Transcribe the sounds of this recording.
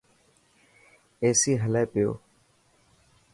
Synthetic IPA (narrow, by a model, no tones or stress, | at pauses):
eːsiːɦəlɛːpɪjo̰ː